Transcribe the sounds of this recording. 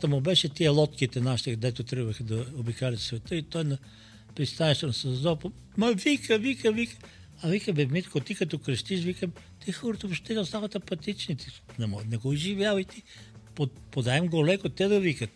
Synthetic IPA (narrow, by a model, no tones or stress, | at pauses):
t̪əmʊbɛʃɛt̪iəlˠɔt̪kit̪ɛnaʃi̥t̪ɛkd̪ɛt̪ʊt̪ɾəɡvəxəd̪ɐobikalʲɛt̪svɛt̪əit̪ɔjnɐ | pɾist̪anɛʃt̪onɐsɐzd̪ɔpo | mɐvikəvikəvikə̥ | ɐvikəbɛmit̪kot̪ikɐt̪ɔkɾɐʃt̪iʃvikəm | t̪ixɔɾt̪ofʃt̪ɛd̪ɛost̪avət̪ɐpɐt̪it͡ʃnit̪inɛmnɛɡoiʒivjalit̪i | po | pod̪aɛmɡolɛkot̪ɛd̪ɐvikət̪